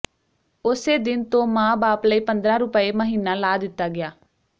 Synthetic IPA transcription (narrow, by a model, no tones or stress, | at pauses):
ʊseːd̪ɪnt̪õːmãːbaːpləiːpənd̪ɾãːɾʊpəeːməɦiːnːãːlaːd̪ɪt̪ːaːɡɪjaː